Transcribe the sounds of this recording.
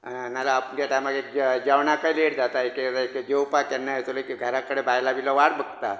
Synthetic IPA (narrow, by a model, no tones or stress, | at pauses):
malaːpəɳɡat̪amaɡek̚d͡ʑaʋɳakajleɽd͡zat̪aekeeked͡ʑewpakjanːajet̪oləkiɡʱəɾakəɽebajlabʱilɔʋaɽbʱəɡ̚t̪a